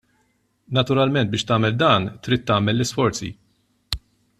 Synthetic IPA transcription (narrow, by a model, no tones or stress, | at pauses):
nɐt̪ʊɾɐlmɛnt̪bɪːʃt̪ɐːmɛld̪ɐːnt̪ɾiːt̪ːɐːmɛlːɪsfɔɾt͡sḭ